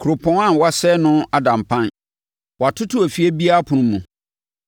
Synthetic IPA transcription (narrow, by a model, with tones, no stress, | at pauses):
kʰu˨ɾo˨pʰɔ̃˨˦ŋã˦˨wa˦sɛ˦nʊ̃˦a˦dã˨mpʰã˦n | wɔ˨a˨tʰʊ˦tʰʊ˦æ˨fi˦ɛ˦bi˦a˦a˦pʰʊ̃˨nʊ̃˦mːũ˨